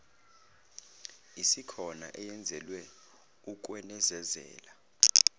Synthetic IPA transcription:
isikʰɔna̰ʔɛjɛnd͡zʱɛlwɛ | uk̬wɛnɛzɛzɛ̰ːla

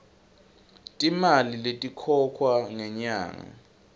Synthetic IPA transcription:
tʼimaliletʼikʰɔkʰwaŋɛɲa̰ːŋa̰

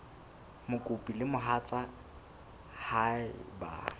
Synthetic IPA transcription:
mʊkʼʊpʼilɪmʊɦat͡sʼa | haɪba̰

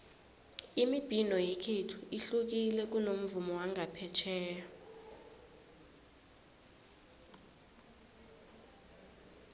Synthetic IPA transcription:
imib̥ʱinɔjekʰetʰu̥iɬuk̬ilɛk̬ʼunom̩vumɔwaŋʱapʰɛt͡ʃʰɛːja

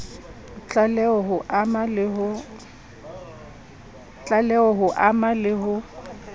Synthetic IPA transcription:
t͡ɬʼalɛɔɦʊʔamalɪɦʊ | t͡ɬʼalɛɔɦʊʔamalɪɦʊ

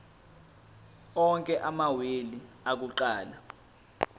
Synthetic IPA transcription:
ɔŋkʼɛʔamawili | ak̬uǃaːla

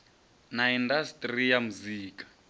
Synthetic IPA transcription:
naindastʼrijamuziːkḁ

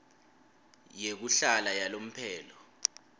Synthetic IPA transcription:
jek̬uɬalajalom̩pʰɛːlɔ

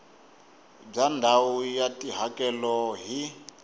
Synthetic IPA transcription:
b͡ʐandʱaujatʼiɦakʼɛlɔɦi

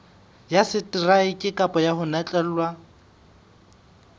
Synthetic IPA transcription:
jasɪtʼiraɪkʼɪkʼapʼɔjaɦʊnɛt͡ɬʼɛl̩lwa

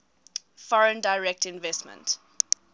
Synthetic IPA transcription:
fɔɹə̃ndaɪɹɛk̚tɪ̃nvɛstmə̰̃nt

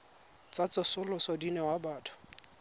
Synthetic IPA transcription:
t͡sat͡sɪsʊlʊsɔdinɛwabaːtʰʊ̥

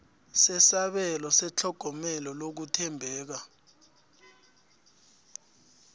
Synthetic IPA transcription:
sɛsaɓɛlɔsɛt͡ɬʰɔɡ̥ʱɔmɛlɔlok̬utʰɛmbʱɛːk̬a

